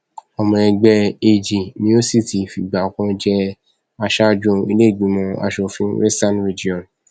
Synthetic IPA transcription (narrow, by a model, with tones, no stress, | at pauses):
ɔ˨mɔ̃˨ɛ̃˧ɡ͡bɛ˧e˧d͡ʒi˨nĩ˦o˦si˦˨ti˨fi˨ɡ͡ba˨kɔ̃˧d͡ʒɛ˧ | a˧ʃa˦d͡ʒũ˧i˧le˦˨ɡ͡bĩ˨˦mɔ̃˧a̰˧ʃo˧fĩ˦ɾe˦stã˦nɾi˨d͡ʒi˦ɔ̃˨n